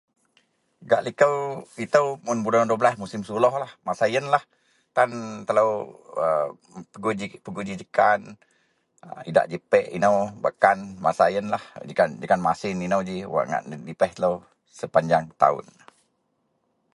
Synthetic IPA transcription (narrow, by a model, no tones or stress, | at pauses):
ɡaʔlikəwit̪əwmʊnbudanduəblasmusɪmsulɔhlahmasajənlah | t̪ant̪ələwə | pəɡud͡ʒipəɡud͡ʒid͡ʒəkan | əida̰ʔd͡ʒəpɛʔḭnəwbakanma̰sajənlahd͡ʒəkand͡ʒəkanmasɪninəwd͡ʒiwa̰ʔŋa̰ʔdipɛht̪ələw | səpaɲd͡ʒaŋt̪a̰ʊ̰n